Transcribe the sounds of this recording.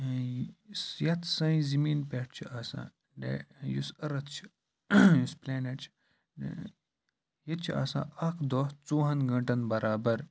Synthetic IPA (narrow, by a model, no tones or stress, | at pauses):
sjɐt̪ʰsɐ̃ĩzimiːnpʲeːʈ̚t͡ʃʰiʔasã̰ː | ɖḛjusɐɾɐt̪t͡ʃʰi̥ | juspleːneːʈt͡ʃʰ | jɐt̪̚t͡ʃʰia̰sã̰ːʔɐkʰd̪oːst͡suːɦɐnɡɐ̃ɳʈɐnbɐɾʔaːbɐɾ